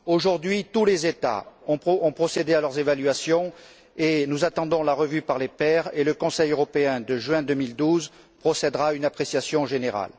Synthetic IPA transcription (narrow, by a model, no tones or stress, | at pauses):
oʒuʁd̪ɥit̪ulezet̪a̰ɔ̃pɔ̃pχɔsed̪ealœʁzevalɥasjɔ̃ | enuzat̪ɑ̃d̪ɔ̃laʁəvypaʁlepɛʁeləkɔ̃sɛjøʁɔpeɛ̃d̪əʒɥɛ̃d̪əmild̪uz | pχɔsɛd̪ʁaynapχesjasjɔ̃ʒeneʁa̰l